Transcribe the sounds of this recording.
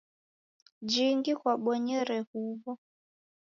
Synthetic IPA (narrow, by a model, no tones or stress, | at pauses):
d͡ʒiŋɡikwaɓɔɲɛɾɛhuβɔ